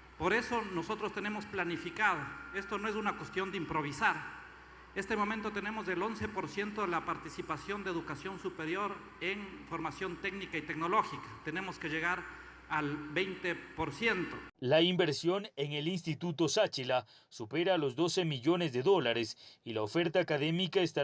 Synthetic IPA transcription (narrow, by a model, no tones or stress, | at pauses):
po̞ɾe̞so̞no̞so̞t̪ɾost̪e̞ne̞mo̞splanifikaðoe̞st̪o̞noe̞s̬unakwe̞st̪jo̞nd̪eimpɾo̞β̞isaɾ | e̞st̪emo̞mẽnt̪o̞t̪ene̞mo̞zðelo̞nse̞po̞ɾsje̞nt̪oðelapaɾt̪isipasjo̞nd̪eðukasjo̞nsupeɾjo̞ɾ | eŋfo̞ɾmasjo̞nt̪e̞ɡnikait̪e̞kno̞lo̞xikḁt̪e̞ne̞mo̞skeʝe̞ɣaɾ | albejnt̪epo̞ɾsje̞nt̪olaimbe̞ɾsjo̞neŋe̞lins̬t̪it̪ut̪o̞sat͡ʃila | supe̞ɾalo̞zd̪o̞se̞miʝo̞ne̞zðe̞ðo̞laɾesilaofe̞ɾt̪aːkaðemikaest̪a